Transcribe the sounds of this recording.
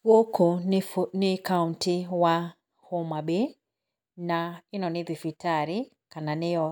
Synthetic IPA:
wokufnikauntiwa | hɔmaɓe | nainɔniðifitaɾi | kananiɔ

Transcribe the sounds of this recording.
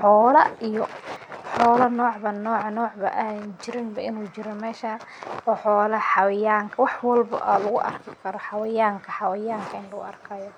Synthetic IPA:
ħɔːlɐijɔħɔːlɐnɔːʕbɐnɔːʕnɔːʕbɐ̰ʔaːnt͡ʃɪɾɪnbɐʔɪnuːt͡ʃɪɾɔmɛːʃa | ɔːħɔːlɐħɑwjaːŋkʰɐwɑħwɑlbɐ̰ʔɐ̰ːlɐɣʊʔɐ̰rkʰɪkʰɐɾɔħɑwɐjaːŋkʰɐħɑwɐjaːŋkʰɐɪnlɐɣʊ̰ʔɐrkʰɐːjɔ

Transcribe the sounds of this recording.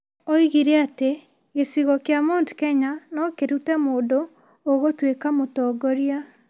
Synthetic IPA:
oiɣiɾeate | ɣesiɣɔkjamoːntu̥kɛɲanɔkeɾutɛmoːdo | oɣotwekamotɔːɡɔɾia

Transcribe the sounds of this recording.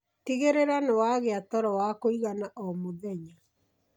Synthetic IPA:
tiɣeɾeɾanewaɣeatɔɾɔwakoiɣanaʔɔmoðɛɲa

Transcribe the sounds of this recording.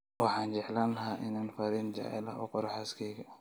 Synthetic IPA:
wɑħɑːnd͡ʒɛʕlaːnlɐɦaːʔɪnaːnfɐɾɪnd͡ʒa̰ʕɛ̰lɐ̰ɔ̰qɔɾħaskʰɛːɡɐ

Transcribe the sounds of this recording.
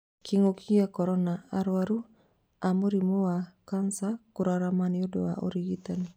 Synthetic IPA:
kʰiŋokʰiakɔɾɔnaaɾwaɾu | amuɾimowakansakuɾaɾamaniodowa̰ʔo̰ɾiɡit̪ani

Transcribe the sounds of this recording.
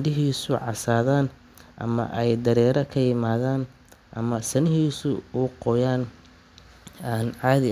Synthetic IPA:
ɖɪɦiːsʊʕɑsaːðaːn | ʔɐ̰mɐ̰ʔɛjd̪ɐɾɛːɾɐkʰɐjɪmaːðaːn | ʔɐ̰mɐsɐnɪɦiːsʊuːqɔjaːn | nʕɑːðɪ

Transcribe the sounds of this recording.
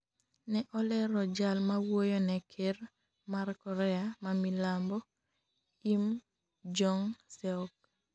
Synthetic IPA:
nɛʔɔlɛɾɔd͡ʒalmawojonɛkʰeɾ | markɔɾɛamamilambɔ | im | d͡ʒɔŋsɛɔk̚

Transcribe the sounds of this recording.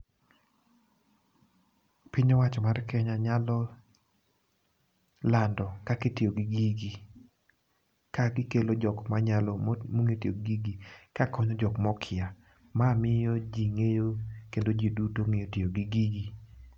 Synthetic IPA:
pɪɲɔwat͡ʃɔmarkɛɲaɲalɔ | landɔkakɪtɪoɡiɡiɡi | kaɡɪkelod͡ʒɔkmaɲalɔmoŋetioɡɡiɡikakɔɲɔd͡ʒɔkmɔkʰɪa | mamɪjɔd͡ʒiŋejokendod͡ʒidutoŋejotioɡiɡiɡi

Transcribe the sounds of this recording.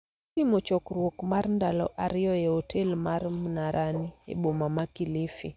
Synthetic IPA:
imɔt͡ʃɔkɾwokmarndalɔ̰ʔaɾɪjɔɛotʰelmaɾmnaɾʔaniḛɓomamakilifḭ

